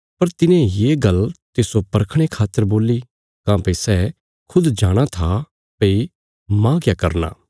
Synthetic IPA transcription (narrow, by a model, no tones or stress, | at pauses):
pɐɾt̪ɪnẽjeːɡɐlt̪eːsopɐɾkʰɽ̃ekʰaːt̪ːəɾboːli | kãːpəisɛː | kʰʊd̪d͡ʒaːɽ̃at̪ʰa | pei | mãkjakɐɾna̰ː